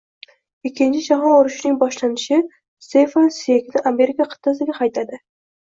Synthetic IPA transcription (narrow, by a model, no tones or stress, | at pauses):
ɪkʲʰːɪnt͡ʃʰɪd͡ʒaɦɒnoɾʊʃnɪŋbɒʃlanɪʃɪ | st̪efansekʲnɪʔame̞ɾɪkʰaqʰɨ̥t̪ʰːas̬ɪɡʲaqʰɑjt̪ʰad̪ɪ